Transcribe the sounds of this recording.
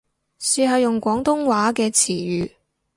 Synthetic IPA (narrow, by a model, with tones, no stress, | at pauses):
siː˨˧ɦɐ˨wjʊ˨ŋkʷɔː˨˥ŋt̪ʊ˥ŋwaː˨˥kɛː˧t͡sʰiː˨˩jyː˨˧